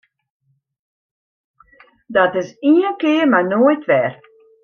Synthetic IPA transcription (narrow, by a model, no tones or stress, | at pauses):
dɔtɪsiənkɪːərmanojtʋɛr